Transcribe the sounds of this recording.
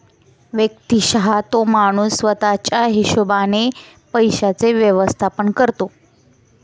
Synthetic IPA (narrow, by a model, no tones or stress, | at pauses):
ʋjək̚t̪iɕəɦat̪omaɽ̃uːsʋət̪at͡ɕaɦiɕubane | pəjɕat͡seʋjəʋəst̪ʰapəɳkəɾt̪o